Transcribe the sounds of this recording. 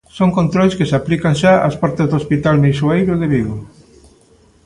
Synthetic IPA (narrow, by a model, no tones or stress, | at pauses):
soŋkont̪ɾojskesaplikanʃaa̰spaɾt̪ezðospit̪almĩswajβoðeβiðo